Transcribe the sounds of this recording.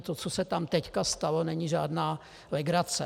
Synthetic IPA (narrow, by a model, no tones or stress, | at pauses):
t̪ot͡sosɛt̪amt̪ɛckast̪alonɛɲiʒa̰ːdnaː | lɪɡɾat͡sɛ